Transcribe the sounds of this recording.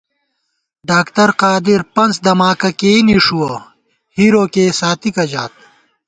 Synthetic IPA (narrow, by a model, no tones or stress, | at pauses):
ɖaːkt̪ɐɾqaːd̪iɾpɐnsd̪ɐmaːkɐkeːniʂuɐ | hiɾoːkeːsaːt̪ikɐd͡ʑaːt̪̚